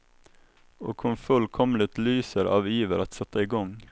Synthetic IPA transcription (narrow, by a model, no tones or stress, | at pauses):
o̰ːkʰʊnfʉlkʰɔmlɪt̪lyːsəɾʔɑ̰ːʋjiːʋəɾʔɑt̪sɛt̪əɪːɡɔŋ